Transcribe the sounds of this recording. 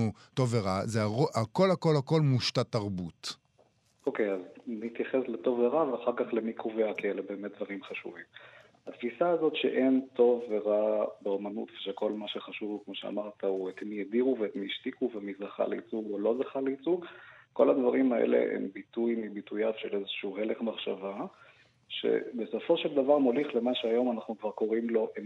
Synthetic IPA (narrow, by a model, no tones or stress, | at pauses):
u | to̞veʁazeaʁoʔako̞lhako̞lhako̞lmuʃtataʁbut | ʔo̞kejaznit̪jaχesleto̞veʁaveaχaʁkaχlemikʰoveakielebe̞ːmet̪̚d̪vaʁimχaʃṵvim | hatfisaːzo̞tʃḛʔe̞nto̞vːeʁabeomanṵtveʃeko̞lmaʃeχaʃuvkmo̞ʃea̰maʁtʰauet̪mijediʁuveːtmiʃtikuvemizaχa̰lḛit͡suɡo̞lo̞zaχaleit͡suɡko̞lad̪vaʁimaḛlḛʔḛmbitujmibitujavʃelezeʃuuheleχmaχʃava | ʃe̞̰beso̞fo̞ʃeld̪avaʁmo̞liχle̞maʃeajo̞manaχnukvaʁko̞ʁimlo̞ʔe